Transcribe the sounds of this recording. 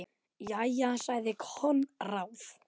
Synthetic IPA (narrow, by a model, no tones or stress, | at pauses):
jajasaɣðɪkʰhɔnrawf